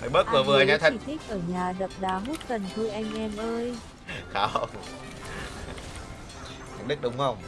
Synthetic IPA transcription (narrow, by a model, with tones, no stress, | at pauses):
hə˨˧˩jɓə˦˥t̚vɨ˨˩əvɨ˨˩˨ʔa˧ŋa˧˦˥t̪ʰa˨i˧˩t̪ʰi˦˥k̚ʔəː˧˩ɲaː˨˩zə˨˩p̚ɗaː˨˦ɦu˦˥t̚kə˨˩nt̪ʰu˧jʔa˧jŋ̟ʔɛ˧mʔəː˧j | xaː˨˦wə˧ŋ͡m | t̪ʰa˨˩jŋ̟ɗɨ˦˥k̚ɗʊ˨˧˦wŋ͡mxə˧˩wŋ͡m